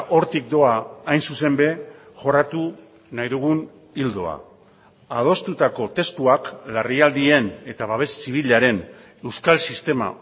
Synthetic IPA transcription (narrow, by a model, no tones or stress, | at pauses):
ʔo̞ɾt̪ik̚d̪o̞aːjnsuse̞mbe̞ | ʝo̞rat̪u | najðuɣ̞un | ild̪o̞̰a̰ | að̞o̞st̪ut̪ako̞t̪e̞st̪uaklariald̪ie̞ne̞t̪aβaβe̞sːiβ̞iʎaɾe̞n | e̞wskalsist̪e̞ma̰